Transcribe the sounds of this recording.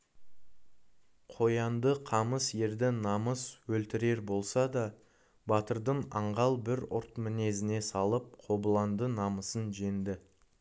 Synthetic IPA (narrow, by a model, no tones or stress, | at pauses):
qʰo̞jɑnd̪əqʰɑməsje̞ɾd̪ɪnɑməswɵlt̪ɪɾe̞ɾbo̞lˠsɑd̪ɑ | bɑt̪əɾd̪əɴɑɴʁɑlˠbɪɾʊɾt̪mɪne̞zɪne̞sɑlˠəp̚qʰo̞bəlˠɑnd̪ənɑməsənʒe̞nd̪ɪ